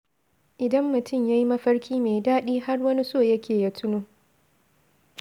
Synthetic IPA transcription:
ʔɪ˨dɐ˦mːʊ˨tʰʊ˦˨mja˦ji˦mɐ˦ɸɐ˦ɽkʲiː˦meː˨daː˦ɗiː˦ha˦rwɐ˦ni˦soː˦˨jɐ˦kʲeː˨ja˦tʰʊ˦noː˦

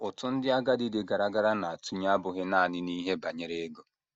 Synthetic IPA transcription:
ʊ˨tʊ˦n̩˦dɪ˦a˦ɡa˦dɪ˦dɪ˨ɡa˨ɾa˦ɡa˦ɾa˦na˨a˨tu˦ɲ˦a˦bʊ˨ɦe˦na˦˨nɪ˦ni˦ɦe˦ba˨ɲe˦ɾe˦ɡo˦

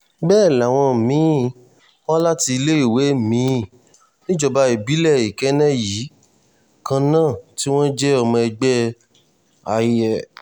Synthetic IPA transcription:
bɛː˦˨la˨w̃ɔ̃˧˨mĩ˨˦ | wɔ̃˦la˦ti˧i˧le˦i˦˨we˨˦˨mĩ˨˦˨ | nĩ˦d͡ʒɔ˧ba˧e˨bi˨˦lɛ˦˨i˨kɛ˨˦nɛ̃˦jiː˨˦ | kã˧nãː˦˨ti˦w̃ɔ̃˦d͡ʒɛ˦ɔ˧mɔ̃˧ɛ˧ɡ͡bɛ˦ | a˧˨˧ɛ˨

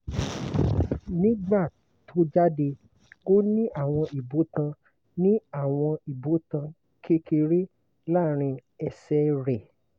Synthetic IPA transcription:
nĩ˦ɡ͡ba˦˨ | tʰo˨˦d͡ʒa˦de˧ | o˦nĩ˦ʔa˦˨w̃ɔ̃˧i˨bo˨˦tã˧ | nĩ˦a˦˨w̃ɔ̃˧i˨bo˨˦tã˧ | kʰe˦ke˧ɾe˦ | la˦˨ɾ̃ĩ˧ɛ˧˨sɛ˧ɾɛ˨

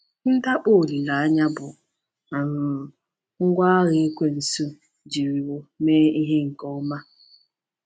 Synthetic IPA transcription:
n̩˦da˦k͡po˦˨li˨la˨a˦ɲa˦bʊ˨ | a˨nʊ˨ | ŋ̩˦ɡʷa˦a˦ɣɪ˨i˦kʷe˦n̩˨su˦ | d͡ʒi˨ɾi˨wo˨meː˦i˦ɦe˦ŋ̩˨kɔ˦ma˦

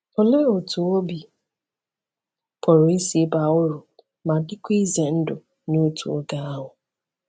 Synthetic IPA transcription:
ʊ˨le˦o˨tʰu˨o˦bi˨ | pʰɔ˨ɾi˦si˨e˦ba˨ʊ˦ɾʊ˨ | ma˨dɪ˦kʷi˦ze˨n̩˦dʊ˨ | no˦tʰṵ˨o˦ɡa˦a˦ɦʊ˨

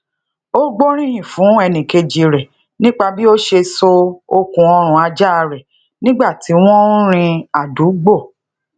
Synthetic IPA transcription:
o˦ɡ͡bo˦ɾ̃ĩ˦hĩ˨fũ˨˦ɛ˧nĩ˨ke˧d͡ʒi˨˧ɾɛ˨ | nĩ˦k͡pa˧bi˦o˦ʃe˧so˧o˧kũ˧ɔ˧ɾ̃ũ˨a˧d͡ʒa˦a˧ɾɛ˨ | nĩ˦ɡ͡ba˦˨ti˨˦w̃ɔ̃˦ɾ̃ĩ˧a˨du˨˦ɡ͡bo˦˨

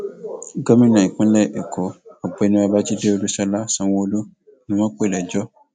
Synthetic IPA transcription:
ɡɔ˦mĩ˦nã˨ĩ˨kũ˦lɛ˦˨ʔe˨kʰo˨˦ɔ˨ɡ͡bɔ˨ɛ˨nĩ˧a˧ba˦ti˦de˦o˧lu˦sa˧la˦sã˧wõ˧o˧lu˦˨ | nĩ˧mã˦k͡pe˦˨lɛ˨d͡ʒɔ˦

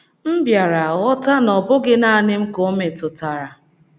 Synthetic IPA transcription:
m̩˦bja˨ɾa˨ɔ˦ta˦nɔ˨bʊ˦ɡɪ˦na˦nɪ˦m̩˦kʊ˨˦me˨tʊ˨ta˨ɾa˨

